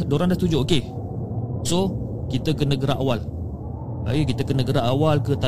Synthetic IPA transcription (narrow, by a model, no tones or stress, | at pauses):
doɾandast̪ud͡ʒooke | so | kit̪əkənəɡəɾaʔawal | ba̰ikit̪əkənəɡəɾaʔawalkət̪a